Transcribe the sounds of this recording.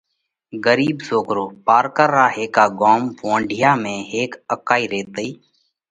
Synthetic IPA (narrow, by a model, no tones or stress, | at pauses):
ɡəɾiːbsoːkɾoːpaːɾkəɾːaːɦeːkaːɡoːmʋõːɳɖʱɪjaːmẽːɦeːkəkaːiːɾeːt̪eː